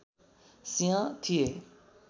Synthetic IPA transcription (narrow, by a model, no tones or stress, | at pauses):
sĩjãt̪ʰieː